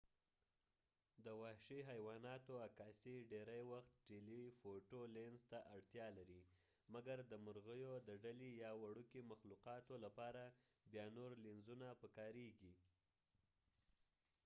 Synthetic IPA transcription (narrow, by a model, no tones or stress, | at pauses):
d̪əwɑhʃiɦajwɑnɑt̪oakɑsiɖeɾajwaxt̪̚ʈelifoʈolenzt̪aʔaɽt̪jɑlaɾi | maɡaɾd̪əmʊɾɣəjod̪əɖalijɑwaɽukimaxluqɑt̪olapɑɾabjɑnoɾlinzunapəkɑɾeɡi